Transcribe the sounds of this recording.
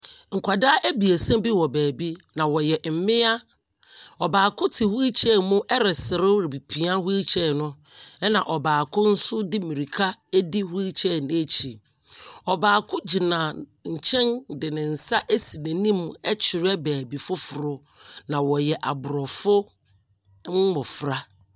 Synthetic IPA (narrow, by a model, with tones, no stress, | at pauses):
ŋ̩˨kʷʰa˨da˦ʔæ˦bi˨e˨sɛ̃˦bi˦wɔ˨bæː˨bi˦nã˨wɔ˨jɛ˨m̩˨mɪ̃˦a˦ | ɔ˨baː˨kʰʊ̃˦tʰɪ˨hu˦i˦t͡ɕʰɛ˦˨mʊ̃˦ʔɛ˦ɾɪ˨sɪ˨ɾɪ˦ɾɪ˨bi˨pʰi˨a˦hu˦i˦t͡ɕʰɛ˦˨nʊ̃˦ɛ˦nã̰˨ʔɔ˨baː˨kʰʊ̃˦n̩˦sʊ˦dɪ˦mĩ˨ɾi˨kʰa˦æ˦di˦hu˦i˦t͡ɕʰɛ˦˨nɪ̃˦e˦t͡ɕʰi˨ | ɔ˨baː˨kʰʊ˦d͡ʑi˨nã˨ɲ̩˨t͡ɕʰɛ̃˦ndɪ˨nɪ̃˨n̩˨sa˦ʔe˦si˨nẽ˨nĩ˦mɛ˦t͡ɕʰɪ˨ɾɪ˦ɛ˦bæː˨bi˨fʊ˦fʊ˨ɾʊ˦ | nã˨wɔ˨jɛ˨ʔa˨bʊ˨ɾɔ˨fʊ˦ | m˦mɔ˨fɾa˦